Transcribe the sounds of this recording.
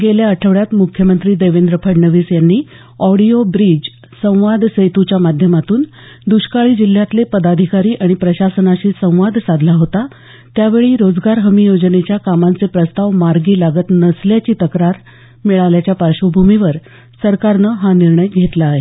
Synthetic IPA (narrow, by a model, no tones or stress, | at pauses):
ɡeljaəʈʰəʋɭjat̪mukʰjəmənt̪ɾiːd̪eʋend̪ɾəpʰəɽɳəʋiːsjanːiː | ɔɽiobɾid͡ʑ | sə̃w̃ʋad̪ʱsəjt̪ut͡ɕjamad̪ʱjəmat̪uːn | d̪uɕkaɭiːd͡ʑil̤ːjat̪lepəd̪ad̪ʱikaɾiːʔaɽ̃ipɾəɕasənaɕiːsə̃w̃ʋad̪ʱsad̪ʱlaɦot̪a | t̪jaʋeɭiːɾod͡zɡaɾɦəmijod͡ʑnet͡ɕjakamant͡sepɾəst̪aʋmaɾɡiːlaɡət̪nəsljat͡ɕiːt̪əkɾaɾ | miɭaljat͡ɕjapaɾɕəbʱumiʋəɾ | səɾkaɾnəɦaniɾɳəjɡʱet̪laːɦe